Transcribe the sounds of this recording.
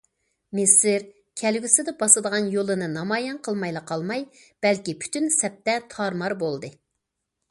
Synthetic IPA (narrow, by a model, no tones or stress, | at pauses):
mɪsɪɾ | kʲʰɛlɡʲysɪd̪ɛbɑsɨd̪əʁɑnjolˠɨnɨnɑmɑjɛnqʰəlˠmɑjlˠɑqʰɑlˠmɑj | b̥ɛlkʲipʰy̥t̪ʰynsɛp̚t̪ɛt̪ʰɑɾmɑɾbolˠd̪ɨ